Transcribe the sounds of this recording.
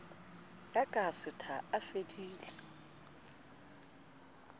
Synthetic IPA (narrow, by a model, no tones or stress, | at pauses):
jakʼasɪtʰaafediːli